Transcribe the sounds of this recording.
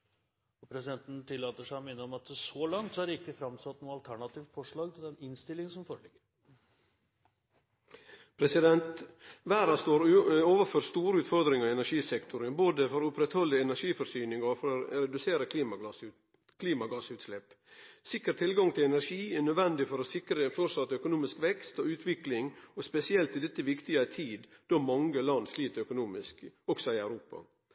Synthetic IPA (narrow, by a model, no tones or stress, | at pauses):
ɔpʰɾɛsɪd̪ɛnt̪n̩t̪ʰɪlːɑːt̪əʂæɪɔmeːnːəɾɔmɑt̪sɔlɑŋt̪sɔhæɖɪkːəfɾɑmsɑt̪nuːəɑlt̪ʰæɳɑt̪iːft̪fɔʂɭɑːɡ̚t̪ʰɪld̪ɛnɪnst̪ɪlːɪŋsɔmfoːɾəɭɪɡːəɾ | pʰɾɛsɪd̪ɛnt̪ʋæːɾɑst̪oːɾoːʋəføːɾst̪uːɾəʉːt̪fɔɾd̪ɾɪŋəɾɪɛnæɾʂiːsɛkt̪ʰʊɾəboːd̪əfɔɾʊpɾɛt̪hɔlːəɛnæɾʂiːfɔɾsyːnɪŋɑfɔɾɔɾɛd̪ʉseːɾəkʰliːmɑɡɑ | kʰliːmɑɡɑːsʉːt̪slɛp | sɪkːəɾt̪ʰɪlɡɑŋt̪ʰɪlɛnæɾʂiːænœd̪ʋɛnd̪ɪfɔɾɔsɪkɾəfɔɾʂɑt̪ːəœkʊnuːmɪskʋɛkst̪ɔʉːt̪ʰʋɪklɪŋɔspɛsɪɛlt̪ɪd̪ɛt̪ːəʋɪkt̪ɪəæt̪ʰiːd̪d̪ɔmɑŋɡəlɑnd̪sliːt̪əœkʊnuːmɪskɔksɔɪæʉɾuːpɑ̰